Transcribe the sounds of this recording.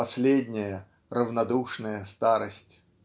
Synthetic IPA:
ɐsʲlʲedʲnʲɪjə | rəvnɐd̪uʂnəjəst̪aɾəsʲtʲ

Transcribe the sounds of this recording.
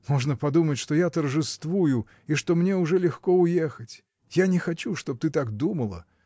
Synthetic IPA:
moʐnəpɐd̪umətʲʂt̪ojat̪ərʐɨst̪vujʊ | iʂt̪omnʲeʊʐɛlʲɪxkoʊjexətʲ | janʲɪxɐt͡ɕuʂt̪op̚t̪ɨt̪aɡd̪uməlˠə̰

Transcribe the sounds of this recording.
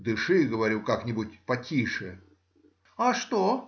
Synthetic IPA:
d̪ɨʂɨɡəvɐɾʲukaknʲɪbʊtʲpɐtʲiʂɨ | aʂt̪o

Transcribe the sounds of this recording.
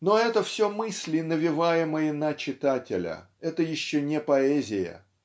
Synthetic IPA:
no̞ɛt̪əfsʲomɨsʲlʲɪnəvʲɪvajɪməjənɐt͡ɕɪt̪atʲɪlʲə̰ | ɛt̪əjɪɕːonʲɪpɐɛzʲɪjə̰

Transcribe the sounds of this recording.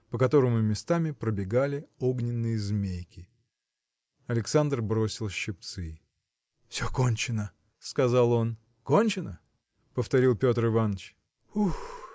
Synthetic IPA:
pəkɐt̪o̞ɾəmʊmʲɪst̪amʲɪpɾəbʲɪɡalʲɪo̞ɡnʲɪnːɨjəzmʲejkʲɪ | ɐlʲɪksand̪rbɾo̞sʲɪlˠɕːɪp̚t̪sɨ | fsʲoko̞nʲt͡ɕɪnə | skɐzɑlˠo̞n | ko̞nʲt͡ɕɪnə | pəft̪ɐɾʲilˠpʲo̞t̪rɪvanːət͡ɕ | ux

